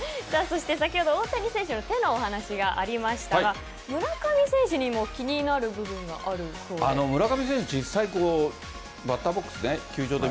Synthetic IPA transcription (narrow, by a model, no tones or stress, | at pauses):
saːso̞ɕi̥t̪e̞s̬akʲiho̞d̪ooːt̪aɲ̟ʲisẽ̞ɰ̃ɕinot̪e̞no̞ːɦanaɕiɡaʔaɾʲimaɕi̥t̪aaɡa | mɯ̟ɾakamʲisẽ̞ɰ̃ɕiɲ̟imo̞kʲiɲ̟inaɾɯ̟bɯ̟bɯ̟̃ŋɡa̰ʔaɾɯ̟soːanno̞mɯ̟ɾakamʲis̬ẽ̞ɕid͡ʑisːaikoː | bat̪ːabokːɯ̟̥sɨnekʲɨːd͡ʑo̞ːd̪e